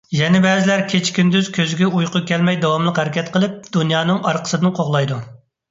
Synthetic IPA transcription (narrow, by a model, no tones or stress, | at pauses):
jɛnɪbɛːzɪlæɾkʲʰet͡ʃkʲʰynd̪yz̥kʲʰøzɡʲɛujqʰʊkʲɛlmɛjd̪ɑwɑmlˠəqhæɾɪkʲʰɛt̪qʰəlˠɪp̚d̪unjɑːnɨŋɑɾqʰə̥sɨd̪ɨnqʰoʁlˠɑjd̪u